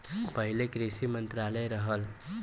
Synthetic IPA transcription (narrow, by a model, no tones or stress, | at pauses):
pəɦilekɾisimənt̪ɾaləjɾəɦəl